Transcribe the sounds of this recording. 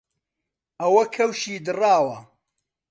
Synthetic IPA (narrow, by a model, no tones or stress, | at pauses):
ʔɐwɐkʰɐwʃiːd̪ɨraːwɐ